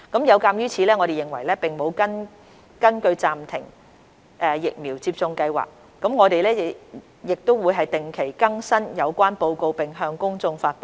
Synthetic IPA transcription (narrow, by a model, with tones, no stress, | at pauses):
kɐ˨˥mjɐ˨˧wkaː˧mjyː˥t͡sʰiː˨˧lɛː˥ŋɔː˨˧ɾe˨jɪ˨˩ŋwɐ̰˨˩jlɛː˥pɪ˨˩ŋmo˨˧wkɐ˥n | kɐ˥nkɵ˧ɥt͡saː˨mt̪ʰɪ˨˩ŋ | ʔɛː˨jɪ˨k̚miː˨˩wt͡siː˧p̚t͡sʊ˧ŋkɐ˧jwa̰ː˨˩k̚ːɐ˨˥mŋɔː˨˧t̪e˨jlɛː˥˨ | jɪ˨k̚t̪o˥wwuː˨˧jɦɐ˨jt̪ɪ˨ŋkʰe˨˩jkɐ˥ŋsɐ˥njɐ˨˧wkʷaː˥npo˧wko˧wpɪ˨ŋɦœː˧ŋkʊ˥ŋt͡sʊ˧ŋfaː˧t̚po˨